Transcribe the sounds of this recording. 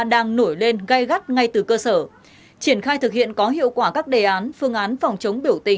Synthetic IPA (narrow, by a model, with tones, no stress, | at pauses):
ɗaː˧ŋno˧˩jle˧nɣa˧jɣa˦˥t̚ŋa˧jt̪ɨ˨˩kəː˧səː˧˩ | t͡ɕi˧˩ənxaː˧jt̪ʰɨ˨˩k̚hḭ˧˨ənkɔ˨˦ɦḭ˧˨əwkwaː˧˩kaː˦˥k̚ɗe˨˩ʔaː˨˦nfɨ˧əŋʔaː˨˦nfa˨˩wŋ͡mt͡ɕə˨˦wŋ͡mɓi˧˩əwt̪ï˧˩ŋ